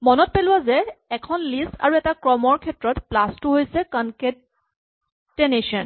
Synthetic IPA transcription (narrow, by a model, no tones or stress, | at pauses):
mɔnɔt̚pelʊwazɛɛkʰɔnlisa̰ɹuɛtakɹɔmɔɹkʰɛtɹɔtplastuɦojsɛkanketː | eneʃɔn